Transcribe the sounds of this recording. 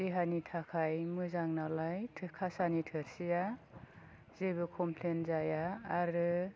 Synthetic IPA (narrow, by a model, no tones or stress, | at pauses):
deɦanitʰakʰajmɯzaŋnalajtʰkʰasanitʰɯɾsija | zebɯkʰɔmpʰlenzajaːɾɯ